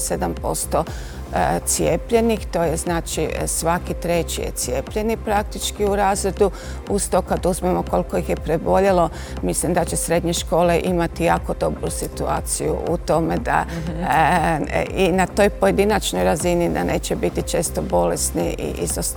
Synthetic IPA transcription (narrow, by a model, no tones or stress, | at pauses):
se̞d̪ampo̞̰st̪o̞ | t̪sije̞pʎe̞nixt̪o̞ːjeznaːt͡ʃisʋakit̪ɾe̞t͡ʃḭjḛt̪sijepʎe̞nipɾak̚t̪it͡ʃkiuɾaːzɾe̞d̪u | ust̪okad̪uzmemo̞ko̞lkoixjepɾe̞bo̞ʎelo̞ | mislimd̪at͡ɕe̞sɾe̞d̪ɲe̞ʃko̞ːle̞ʔimat̪ijaːko̞d̪o̞bɾusit̪ua̰ːt̪sijṵʔut̪o̞me̞d̪a̰ | inat̪o̞ːjpo̞je̞d̪inat͡ʃno̞jɾazinid̪a̰nʔḛːt͡ɕebit̪it͡ʃe̞ːst̪obo̞le̞sniʔḭʔḭzos